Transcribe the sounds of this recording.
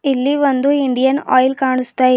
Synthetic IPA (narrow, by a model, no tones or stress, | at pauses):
ilːiʋond̪uiɳɖijɐnɔ̰ːjlkaːɳust̪aː